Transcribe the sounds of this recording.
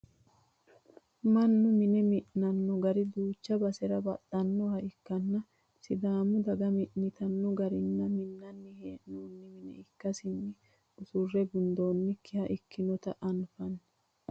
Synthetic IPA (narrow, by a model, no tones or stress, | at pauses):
mɐnːʊmɪnɛmɪʔnɐnːɔɡɐɾɪd̪uːt͡ʃːɐbɐsɛɾɐbɐt̪ʼːɐnːɔhɐɪkːɐnːɐ | sɪd̪aːmʊd̪ɐɡɐmɪʔnɪt̪ɐnːɔɡɐɾɪnːɐmɪnːɐnːɪheːʔnoːnːɪmɪnɛ̰ɪkːɐsɪnːɪ | ʊsʊrːɛɡʊnd̪o̞ːnːɪkʰɪhɐʔɪkːɪnɔt̪ɐʔɐnfɐnː